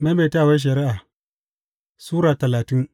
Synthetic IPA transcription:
ma˦be˨ta˦˨we˦ʃ̬ɐ˨ɾi˦ʔa˨ | suː˦ɾa˨tɐ˨laː˨ti˦n

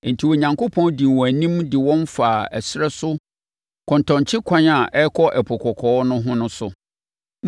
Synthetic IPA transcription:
n̩˨tʰi˨wo˨ɲã˨ŋko˦pʰɔ̃˦ndi˨wɔ̃˨æ˨nĩ˦mdɪ˨wɔ̃˦nfaː˨æ˨sɾɛ˦sʊ˦ | kʰɔ̃˨ntʰɔ̃˨ɲ˨t͡ɕʰɪ˦kʷʰã˦na˨ʔɛ˦kʰɔ˦ʔɛ˨pʰɔ˨kʰɔ˨kʰɔː˨˦nʊ̃˦ɦʊ̃˦nʊ̃˦sʊ˨

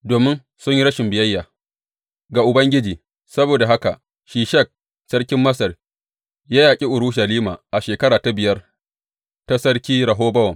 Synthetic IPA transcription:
doː˨mɪ˦n | sʊ˦ɲji˦ɾɐ˦ʃɪ˨mbɪ˨jɐ˦jːaː˨ | ɡa˨ʔʊ˨bɐ˦ŋɡʲɪ˦d͡ʒiː˨ | sɐ˦boː˨da˨ɦa˦ka̰˨ʔ | ʃiː˨ʃɐ˦˨k̚ | sɐ˦ɽkʲɪ˦mːɐ˦sɐ˨r | jaː˦jaː˨kʲʼi˦ʔʊ˨ɽʊ˦ʃɐ˨liː˦ma̰ː˨ʔa˨ʃeː˨kɐ˦ɽaː˨ta˦bɪ˨jɐ˦r | ta˦sɐ˦ɽkʲiː˦ɾɐ˨ɦoː˦bɐ˦wɐ˨ŋ

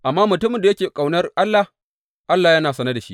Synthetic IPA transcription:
ʔa˨mːaː˦mʊ˨tʊ˦mɪ˨nda˨jɐ˦kʲeː˨kʼa˨wnɐ˦rʔa˦lːa˨h | ʔa˦lːa˨jɐ˦naː˨sɐ˦nɐ˦da˨ʃḭ˦ʔ

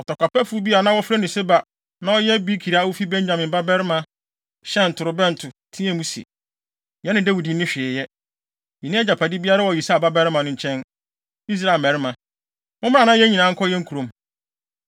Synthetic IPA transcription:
ɔ˨tɔ˨kʷa˨pɛ˦fu˦bi˦a˨nã˦wɔ˦fɾɛ˦nɪ̃˨sɪ˦ba˨ | nã˦ɔ˦jɛ˦bi˦kʰi˨ɾa˦wʊ˦fi˦bɛ̃˦ɲ˦d͡ʑã˨mɪ̃˨mba˦bɛ˦ɾɪ˦mã˨ | ɕɛ˦n̩˨tʰʊ˨ɾʊ˨bɛ̃˦n̩˨tʰʊ˨tʰĩ˦ɛ̃˦mũ˦sḭ˨ | jɛ˦nɪ̃˨de˦wi˨di˨˦ɪ̃˦ɕᶣɪ˨ɪ˨jɛ˦ | jɛ˨nɪ̃˦ɛ˦d͡ʑa˨pʰa˨di˦bi˦a˦ɾa˦wɔ˨i˨sa˦˨ba˦bɛ˦ɾɪ˦mã˨nʊ̃˦ɲ̩˨t͡ɕʰɛ̃˦n | i˦s̬ɾa˨lmɛ̃˨ɾɪ˦mã˨ | mʊ̃˦mɪ˦ã˦˨nã˦jɛ˦ɲĩ˨nãː˨˦ŋ̩˦kʰɔ˦jɛ˦ŋ̩˦kʰu˨ɾõ˨˦m

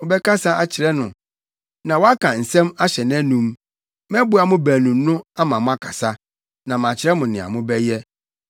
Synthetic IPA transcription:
ʊ˨bɛ˦ka˦sa˦ʔa˨t͡ɕʰɪ˨ɾɛ˦nʊ̃˨ | nã˨wɔ˦a˦kʰã˨n̩˨sɛ̃˦ma˦ɕɛ˨n˦ɛ̃˦nũ˨m | mɛ̃˦bʊ˨˦a˨mʊ̃˦bæ˨nũ˨mnʊ̃˦a˦mã˨mʊ̃˦a˦kʰa˨sa˦ | nã˨m˨ã˨t͡ɕʰɪ˨ɾɛ˦mʊ̃˨nɪ̃˨a̰˨mʊ̃˦bɛ˦jɛ˦

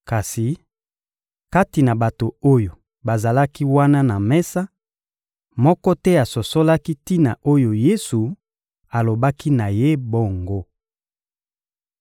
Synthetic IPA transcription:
ka˨si˨ | ka˦ti˨na˨ba˨to˨o˦jo˨ | ba˨za˨la˦ki˦wa˦na˦na˨mɛ˦sa˦ | mɔ˦kɔ˦tɛ˦a˨so˨so˦la˦ki˦ti˦na˨o˦jo˨je˦su˨ | a˨lo˨ba˦ki˦na˨je˦bo˦˨ŋɡo˦

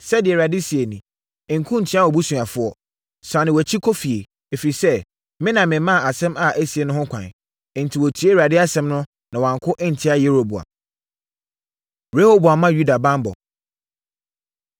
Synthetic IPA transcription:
sɛ˦dɪ˨ɛ˨ɾa˨dɪ˦si˨e˨nĩ˨ | ŋ̩˨kʰũ˦n̩˨tʰi˦a˦wɔ˨bu˦sũ˨a˨fʊ˦ɔ˦ | sa˨nɪ̃˨wæ˨t͡ɕʰi˦kʰo˦fi˨e˨ | e˨fi˨sɛ˦ | mɪ̃˦nã˨mɪ̃˨˦mã˦˨a˨sɛ̃˦ma˨ʔæ˦si˨e˨nʊ̃˦hʊ̃˦kʷʰã̰˨ñ˨ | ntʰi˨wo˨tʰi˨˦e˦ɾa˨dɪ˦a˦sɛ̃˦mnʊ̃˦ | nã˨wɔ˨ã˨ŋ˨kʰʊ˦ʔɪ˦n̩˨tʰɪ˦a˦je˦ɾho˨bu˨a̰˨ | ɾe˦ho˦bu˨a˨mã˦ju˦da˨bã˦mbɔ̰˨

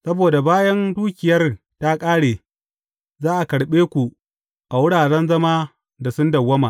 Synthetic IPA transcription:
sɐ˦boː˨da˨baː˦jɐ˦nduː˦kʲɪ˨jɐ˦r | ta˦kʼaː˦ɽeː˨ | zaː˦ʔa˨kɐ˨ɽɓeː˦kʷu˨ | ʔa˨wʊ˦ɽaː˨ɽɛ˦nzɐ˦maː˦ | da˨sʊ˦ndɐ˨wːɐ˦maː˨

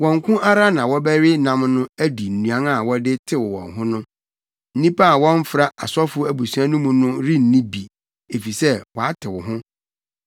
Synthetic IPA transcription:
wɔ̃˨ŋ˨kʰʊ̃˦ʔa˦ɾa˦nã˨wɔ˦bæ˦ɾɪ˦nã˦mnʊ̃˦æ˦di˨n̩˨nũ˨ã˦ŋa˨wɔ˦dɪ˦tʰɪ˦wɔ˨wɔ̰̃˨ŋɦʊ̃˦nʊ̃˦ | n̩˦nĩ˦pa˦a˨wɔ̃˦n˦fɾa˦ʔa˨sɔ˦fʊ˦æ˨bu˨su˨˦ã˦nʊ̃˦mũ˨nʊ̃˦ɾi˦n̩˨nĩ˦bi˨ | e˨fi˨sɛ˦wɔ˨a˦tʰɪ˨wʊ˨ɦʊ̃˦

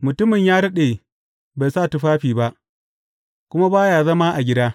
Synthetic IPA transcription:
mʊ˨tʊ˦mɪ˨ɲjaː˦dɐ˦ɗeː˨ | ba˨saː˦˨tu˦ɸaː˦ɸiː˨ba˦ʔ | kʷʊ˦ma˦baː˦jaː˨zɐ˦maː˦ʔa˨ɡʲɪ˦daː˦

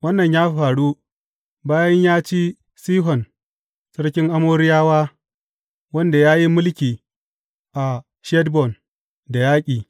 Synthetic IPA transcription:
wɐ˦nːɐ˨ɲjaː˦ɸaː˨ɽu˦ | baː˦jɐ˦ɲjaː˦t͡ʃi˦ | siː˦ɦɔ˨n | sɐ˦ɽkʲɪ˦ŋʔa˦moː˦ɾɪ˦jaː˦waː˦ | wɐ˦nda˨jaː˦ji˦mʊ˦lkʲiː˨ | ʔa˨ | ʃɛ˦dbɔ˨n | da˨jaː˦kʲʼiː˨

